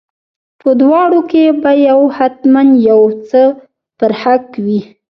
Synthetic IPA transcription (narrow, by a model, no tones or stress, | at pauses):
pəd̪wɑɽokebajawhat̪manjawt͡sə | pəɾhakwi